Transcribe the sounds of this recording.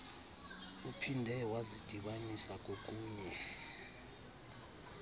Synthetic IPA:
upʰindʱɛwazid̥ʱiɓanisak̬ʼok̬ʼuːɲɛ

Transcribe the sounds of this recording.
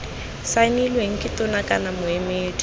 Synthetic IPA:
sanilweŋ̩kʼɪtɔnakʼanamʊemeːtʰʼ

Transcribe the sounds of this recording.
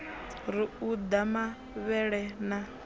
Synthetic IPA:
ɾiud̪ama | βɛɺɛna

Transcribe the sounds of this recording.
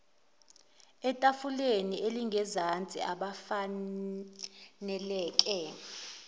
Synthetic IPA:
ɛtʼafuleniʔeliŋɡʱɛzant͡sʼḭaɓafa | nɛlɛːkʼɛ

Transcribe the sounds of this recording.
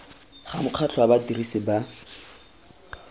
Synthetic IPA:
χamʊq͡χʰat͡ɬʰɔabatirisɪba

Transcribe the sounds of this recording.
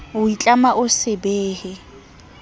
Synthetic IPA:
ʊit͡ɬʼamaʔʊsɪbeːhɪ

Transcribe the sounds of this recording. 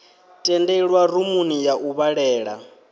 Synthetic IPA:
tʼɛndɛɺwaɾumunijaʔuβaɺɛːɺa̰

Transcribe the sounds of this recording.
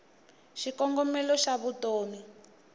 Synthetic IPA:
ʃikɔŋɡɔmɛlɔʃaβutoːmi

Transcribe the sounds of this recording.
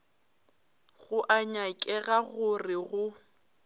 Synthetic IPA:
ɣʊʔaɲakʼɛɣaɣʊrɪɣʊ

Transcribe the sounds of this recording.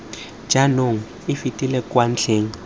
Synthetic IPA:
d͡ʒanoŋ̩ | ɪfitʼilɛkwan̩t͡ɬʰeːŋ̩

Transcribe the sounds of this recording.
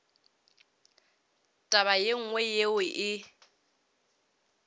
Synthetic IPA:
tʼaβajeŋ̩ŋwɛjewɪʔɪ

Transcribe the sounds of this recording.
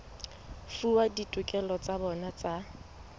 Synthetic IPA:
fuwaditʼʊkʼɛlɔt͡sʼabɔnat͡sʼa

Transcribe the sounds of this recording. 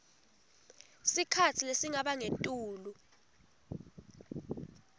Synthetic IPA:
sikʰat͡sʰilesiŋaɓaŋentʼuːlu

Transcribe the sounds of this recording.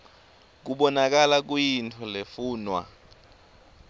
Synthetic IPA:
k̬uɓɔnak̬alak̬ujintʰɔlefuːnwa̰

